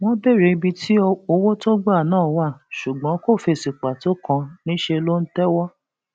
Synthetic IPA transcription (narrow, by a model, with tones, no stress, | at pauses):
w̃ɔ̃˦be˦˨ɾe˨˧bi˧ti˦o˧wo˦to˦ɡ͡ba˦˨nãː˦˨wa˦˨ʃu˨ɡ͡bɔ̃˨˦ko˦˨fe˧˨si˨k͡pa˨to˦kã˧nĩ˦ʃe˧lo˦n̩˦tɛ˦wɔ˦